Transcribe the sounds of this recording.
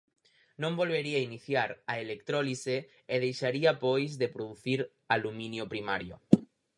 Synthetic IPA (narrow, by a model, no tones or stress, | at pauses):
nõmbolβeɾiainiθjaɾaelek̚t̪ɾolise | eð̞ejʃaɾiapojzðepɾoðuθiɾ | alumĩnjopɾimaɾjo̰